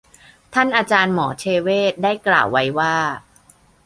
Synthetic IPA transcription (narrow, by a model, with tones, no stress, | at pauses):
t̪ʰa˥˩nʔaː˧t͡ɕaː˧nmɔː˩˦t͡ɕʰeː˧weː˥˩t̪̚daː˥˩jkla̰ː˨˩wːa˦jwaː˥˩